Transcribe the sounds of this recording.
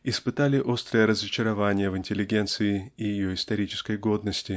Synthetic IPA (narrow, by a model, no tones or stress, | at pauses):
ɪspɨt̪alʲɪʔo̞st̪ɾəjəɾəzət͡ɕɪɾɐvanʲɪjəvɪnʲtʲɪlʲːɪɡʲe̞nt̪sɨɪɪjɪjo̞ɪst̪ɐɾʲit͡ɕɪ̥skəjɡo̞d̪nəsʲtʲɪ